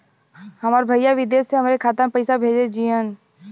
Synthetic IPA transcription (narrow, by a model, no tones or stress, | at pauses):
ɦəmaːɾbʱəijaʋɪd̪eːseɦəmɾekʰaːt̪əmpəɪsabʱeːd͡ʒed͡ʒiən